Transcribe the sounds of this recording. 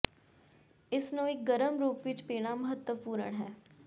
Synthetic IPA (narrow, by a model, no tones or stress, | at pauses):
ɪsnũːɪk̚ɡəɾəmɾuːpʋɪt͡ʃpeːɽ̃aːməɦət̪ːəpuːɾə̰ɳɦɛː